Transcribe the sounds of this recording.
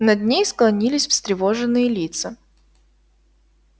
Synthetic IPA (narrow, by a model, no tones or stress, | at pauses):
nɐd̪ʲnʲejsklˠɐnʲilʲɪsʲfst̪ɾʲɪvoʐɨnːɨjəlʲit̪sə